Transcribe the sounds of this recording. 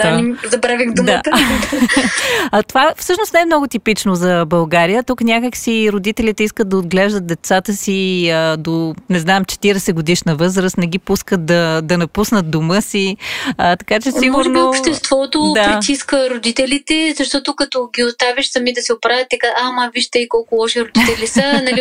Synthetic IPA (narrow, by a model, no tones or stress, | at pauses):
aizɐbɾavixd̪ʊmat̪ | ət̪ovafsɤʃnost̪nɛɛmnɔɡʊt̪ipit͡ʃnozɐbɐlˠɡaɾijət̪uknʲjakəksiɾod̪it̪ɛlit̪ɛiskət̪̚d̪ɐod̪ɡlɛʒd̪ət̪̚d̪ɛt̪sat̪əsiəd̪onɛznamt͡ʃɛ̥t̪iɾɛsɛɡod̪iʃnəvɤzɾəst̪nɛɡ̟ʲipuskət̪̚d̪ɐd̪ɐnɐpusnət̪̚d̪omɤsiət̪ɐ̥kat͡ʃɛsimɡmʊɾɛnbiopʃt̪ɛst̪vɔt̪od̪apɾit̪iskəɾod̪it̪ɛlit̪ɛzɐʃt̪ɔt̪ʊkːɐt̪oɡʲiʊst̪aviʃsɐmid̪ɐsɛopɾavʲət̪ːɛkaamaviʃt̪ɛikɔlˠkʊlˠɔʃiɾod̪it̪ɛlisənɐi